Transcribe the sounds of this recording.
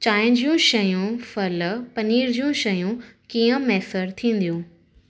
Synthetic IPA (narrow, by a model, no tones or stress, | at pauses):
t͡ɕaːɪ̃ɲd͡ʑijũʃɐjũfɐlpɐniːɾd͡ʑijũʃɐjũkiːə̃mɛːsəɾt̪ʰĩːn̆d̪ijũː